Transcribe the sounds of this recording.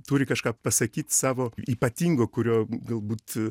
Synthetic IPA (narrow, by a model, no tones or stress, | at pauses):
t̪uːɾʲɪkɐʃkaːpɐsɐkʲiːt̪ʲsɑːʋoːiːpɐt̪ʲiːŋɡoːkʊɾʲoːɡɐlˠbuːt̪